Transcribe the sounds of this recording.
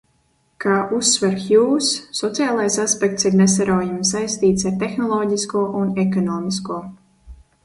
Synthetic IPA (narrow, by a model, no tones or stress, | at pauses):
kaːʔusːvɛɾxjuːsːɔt̪siaːlˠajsaspʲɛk̚t̪siɾnɛs̬aɾɔːjamsajst̪iːt̪saɾt̪exnɔlˠɔːɟiskuːʔunɛkɔnɔːmʲiskuɔ